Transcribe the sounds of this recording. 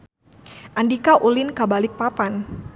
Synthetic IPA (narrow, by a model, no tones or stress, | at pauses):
ʔandikaʔulɪnkabalɪk̚papan